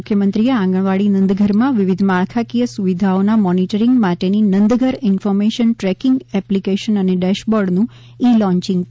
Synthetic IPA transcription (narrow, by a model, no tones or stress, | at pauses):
kʰjəmənt̪ɾijeãŋɡəɭʋaɭinənd̪ɡʱəɾmãʋɪʋid̪ʱmaɭkʰakijəsuʋid̪ʱaonamɔniʈəɾiŋɡmaʈeninənd̪ɡʱəɾɪnfɔɾmeʃənʈɾɛkɪŋɡɛplikeʃənəneɖɛʃbɔɾɖnũ | ilɔ̃ɲt͡ʃɪ̃ŋɡ